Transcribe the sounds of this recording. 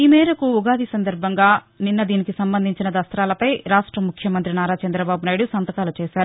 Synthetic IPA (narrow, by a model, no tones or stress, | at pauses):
iːmɛːɾɐkuuɡaːd̪isɐnd̪ɐɾbʱɐŋɡaː | ninːɐd̪iːnikisɐmbɐnd̪ʱiɲt͡ʃinɐd̪ɐst̪ɾaːlɐpɐjɾaːʂʈɾɐmukʰjɐmɐnt̪ɾinaːɾaːt͡ʃɐnd̪ɾɐbaːbunaːjɽusɐnt̪ɐkaːlut͡ʃɛːʃaːɾu